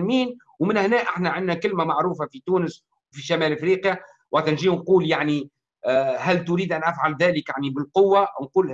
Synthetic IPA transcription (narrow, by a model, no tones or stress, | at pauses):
miːn | wmɪnhnæːʔaħnæʕɪnːækɪlmæmaʕɾuːfafit̪uːnəs | wfiʃamæːlʔɪfɾiːqja | wɑqt̪nʒiːnquːljaʕni | ɦælt̪ʊɾiːd̪ʔænʔæfʕalðæːləkjaʕnibɪlqʊwːaʔwnquːl